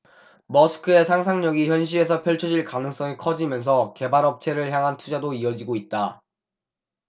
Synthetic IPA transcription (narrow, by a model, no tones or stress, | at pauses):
mʌsʰɯ̥kʰɯe̞sʰaŋsʰaŋɲʌɡiçjʌnɕ̬ʰiɾe̞s̬ʰʌpʰjʌɭt͡ɕʰʌd͡ʑiɭkanɯŋs͈ʌŋikʰʌd͡ʑimjʌns̬ʰʌke̞baɾʌp̚t͡ɕʰe̞ɾɯɭçjaŋɦantʰud͡ʑadoiʌd͡ʑiɡoit̚t͈a